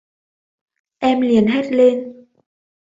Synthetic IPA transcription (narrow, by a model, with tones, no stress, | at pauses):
ʔɛ˧mli˨˩ənɦe˦˥t̚le˧n